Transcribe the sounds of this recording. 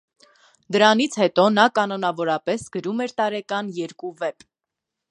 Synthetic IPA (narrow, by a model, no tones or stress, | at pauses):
d̪əɾɑnit͡sʰhɛt̪ɔnɑkɑnɔnɑvɔɾɑpɛsɡ̥əɾumɛɾt̪ɑɾɛkɑnjɛɾkuvɛp